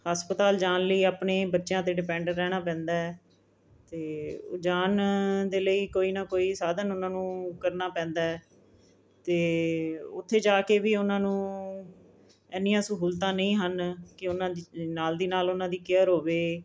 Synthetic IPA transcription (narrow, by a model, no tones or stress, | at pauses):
həspət̪aːld͡ʒaːnləiːaːpneːbətːʃjãːt̪eːɖɪpɛ̃ːɳɖəɾːɛːɽ̃aːpɛ̃ːnd̪aːɛ | t̪eːo̰ːd͡ʒaːnd̪eːləiːkoːiːnaːkoːiːsaːd̪ənʊnãːnũːkəɾnaːpɛ̃ːnd̪aːɛː | t̪eːʊt̪ʰːeːd͡ʒaːkeːʋiːʊnãːnũː | ɛːnɪjãːsəkɦuːlt̪̬ãːnə̃ĩːɦənkɪʊnãːnaːld̪iːnaːlʊnãːd̪iːkɪəɾɦoːʋeː